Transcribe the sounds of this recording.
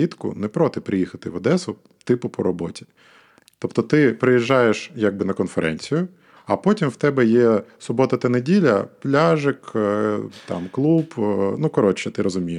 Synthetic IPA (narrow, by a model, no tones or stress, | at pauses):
it̪kʊ̰nɛpɾɔt̪ɪpɾɪjixɐt̪ɪʋɐd̪ɛsʊ | t̪ɪpʊpɔɾɔbɔtʲi̥ | t̪ɔpt̪ɔt̪ɪpɾɪjiʒːɑjeʃjaɡ̚bɪnɐkɔnfeɾʔɛ̰nʲt͡sʲijʊ | ɐpɔtʲimwt̪ɛbɛjɛsʊbɔt̪ɐt̪ɐnedʲilʲɐplʲaʒɪk | t̪ɑ̰mklˠupnukɔɾɔt͡ʃɛt̪ɪɾɔzʊmʲijɪ